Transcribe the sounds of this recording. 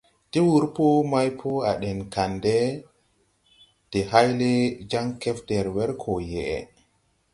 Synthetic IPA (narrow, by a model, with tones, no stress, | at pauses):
ti˦wu˦ɾpɔ˦ma˦jpʰɔ˦a˨ɗɛ˨nka˨ndɛ˦ | d̥ɛ˨ɦa˦jle˦d͡ʒa˦ŋkɛ˦fdɛ˨ɾwɛ˦ɾkʰɔ˨jɛ˨ʔɛ̰˨